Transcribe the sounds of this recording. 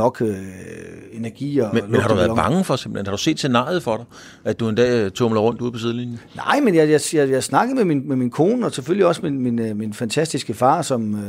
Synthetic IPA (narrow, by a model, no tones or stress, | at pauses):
ɒ̽ɡ̥ø | e̝næɐɡ̥ḭːɒmelmenhɑ̥̈uʋæɐbɑ̈ŋəfɒ̽ɡsemb̥l̩enhɑ̈ɾ̥u̥se̝̰ːd̥se̝nɑ̰̈ɪjð̞̩ˠfɒ̽ɾ̥ɑ̈ɪ | æd̥d̥ue̝nd̥ɛ̰ːt͡sʰomlɐʁɔ̽n̰d̥uðˠpʰɒ̽sið̞ˠlinjənɑ̈ɪ̰menjɑɪjɑjɑjɑsnɑ̈ɡ̥əð̩ˠmeminmeminkʰo̝ːnəɒ̽seføl̰iɒ̽sminminminfænt͡sʰæsd̥isɡ̥əfɑ̰̈ːsɒ̽m